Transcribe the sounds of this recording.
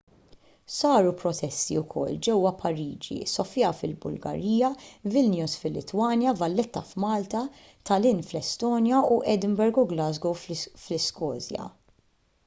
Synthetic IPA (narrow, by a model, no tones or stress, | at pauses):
sɐːɾupɾɔt̪ɛst̪iʊkʰɔ̰lːd͡ʒɛwːɐpʰɐɾiːd͡ʒḭsɔfjɐfɪlbʊ̰lɡɐ̰ɾiːjɐvɪlnjusfɪlːɪt̪wɐːnjɐvɐlːɛt̪ːɐfmɐːlt̪ɐ | t̪ɐlɪnflɛst̪ɔːnjɐuʔɛd̪ɪmbɛɾɡuɡlɐzɡoflɪskɔːzjɐ̰